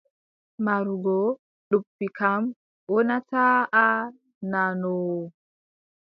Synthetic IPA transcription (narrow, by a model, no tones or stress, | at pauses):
maɾuɡɔ | ɗupːikam | wɔnataːʔa | nanɔw